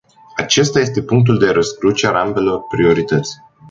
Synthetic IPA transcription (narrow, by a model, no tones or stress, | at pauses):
at͡ʃe̞st̪aje̞st̪e̞puŋk̚t̪̬uld̪e̞ɾəskɾut͡ʃealambe̞lo̞rpɾio̞ɾit̪ət̪sʲ